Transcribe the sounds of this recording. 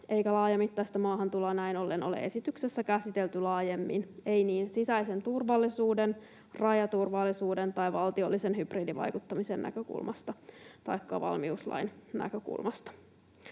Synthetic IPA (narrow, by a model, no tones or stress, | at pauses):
ʔeikælɑːjɑmit̪ːɑist̪ɑmɑːɦɑnt̪ulɑnæino̞lːeno̞lḛʔe̞sit̪yksesːækæsit̪e̞lt̪ylɑːjemːine̞jniːnsisæjse̞nt̪urʋɑlːisuːden | rɑjɑt̪urʋɑlːisuːdent̪ɑjʋɑlt̪iolːisenɦyb̥riːdiʋɑ̰jkut̪ːɑmisḛnnæ̰køkṵlmʔɑ̰st̪ɑt̪ɑ̰jkːɑʋɑ̰lmiuslɑ̰innæ̰køkṵlmɑst̪ɑ̥